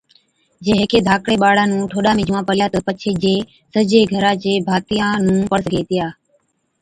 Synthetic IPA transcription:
d͡ʒeːɦeːkeːd̪ʱaːkɽeːɓaːɽãːnũːʈʰoːɗaːmẽːd͡ʒʊʋãːpəljaːt̪əːpət͡ʃʰeːd͡ʒeː | səd͡ʒeːɡʱəɾaːd͡ʒeːbʱaːt̪ɪjãːnũːpəɽəsɡʱeːt̪ɪjaː

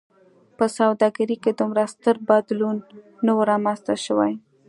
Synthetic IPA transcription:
pəsawd̪ɑɡaɾiked̪əmɾast̪əɾbad̪lunː | awəɾɑmanst̪aʃəwa̰j

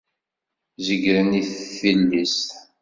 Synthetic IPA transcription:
zəɡɾəniθθilːist̪

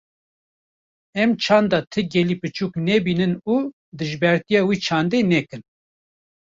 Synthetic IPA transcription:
ɛmt͡ʃʰɑːnd̪ɑːt̪ʰɨɡɛlipɨt͡ʃuːknɛbiːnɨnuː | d̪ɨʒbɛɾt̪ijɑːwiːt͡ʃʰɑːnd̪eːnɛkɨn

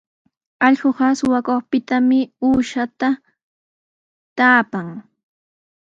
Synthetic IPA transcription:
ɑʎɢoɢɑsʊwakoχpɪt̪amɪuːʃat̪a | t̪aːpaŋ

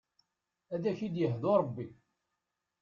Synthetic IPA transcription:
æðæçid̪jəɦðoɾˤəbːi

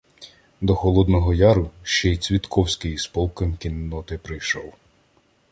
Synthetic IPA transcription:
d̪ɔxɔlˠɔd̪nɔɦɔjɑɾʊʃt͡ʃɛjt͡sʲʋʲit̪kʰɔwsʲkɪjspɔlˠkɔmʲkʲinːɔt̪ɪpɾɪjʃɔw

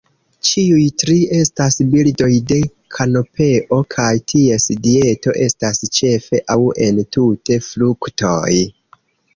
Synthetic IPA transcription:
t͡ʃiujtɾie̞stasbildo̞jde̞ | kʰano̞pe̞ʔo̞kʰajtʰie̞sdie̞to̞̰ʔe̞stast͡ʃe̞fe̞ʔawe̞ntute̞flukto̞j

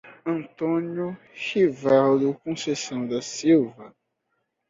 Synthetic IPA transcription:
ɐ̃nt̪õniu | ʃivad̪ʊkõsesɐ̃w̃d̪asiwvɐ

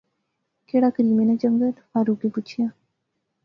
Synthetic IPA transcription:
keːɽaːkəɾiːmẽnat͡ʃəŋɡəɾhaːɾukeput͡ʃʰijaː

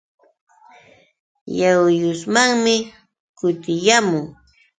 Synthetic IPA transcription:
jawjʊsmaŋmɪ | kʊt̪ɪjamʊŋ

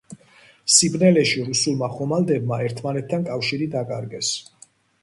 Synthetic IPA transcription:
sibnɛlɛʃiɾusulˠmaχɔmald̪ɛb̚maɛɾt̪ʰmanɛt̪ʰːankʼafʃiɾid̪akʼaɾɡɛs

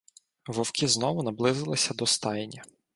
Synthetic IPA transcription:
ʋɔwkʲiznɔʋʊnɐblˠɪzɪlˠɪsʲɐd̪ɔst̪ɑjenʲːɐ

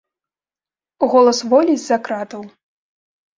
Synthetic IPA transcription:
ɣɔlˠɐsvɔlʲid͡zʲzakɾat̪ɐw

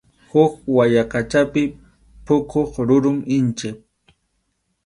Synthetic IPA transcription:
hʊkwajakat͡ʃapɪ | pʊkʰoχɾʊɾʊmɪnt͡ʃɪp̚

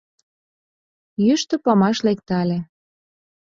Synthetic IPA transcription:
jyʃt̪ɤ̆pɑmɑʃlekt̪ɑlʲĕ

